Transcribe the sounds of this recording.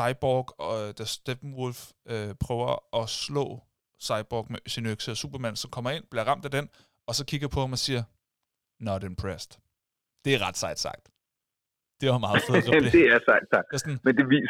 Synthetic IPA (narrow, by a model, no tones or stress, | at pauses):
sɑ̈ɪb̥ɒɡ̥ɒd̥æsd̥eb̥n̩wolføpʰʁœːʊɐʔɒ̽slɔ̰̽ː | sɑ̈ɪb̥ɒːɡ̥meɕenøɡ̥səsṵb̥ɐmæn̰sɒ̽mkʰɒ̽mɐe̝n̰b̥liɐʁɑ̈m̰d̥æd̥en | ɒ̽sɒ̽kʰiɡ̥ɐpʰɒ̽hɑ̈mɒ̽siːɐ | nɒdenpʰʁesd̥ | d̥e̝æɐʁɑ̈d̥sɑ̈ɪ̰d̥sɑ̈ɡ̥̚d̥ | d̥e̝ʋɑmɑ̈ːð̩ˠfeðˠsd̥eæɐsɑɪd̥sɑ̈ɡ̚d̥esnmend̥e̝ʋḭː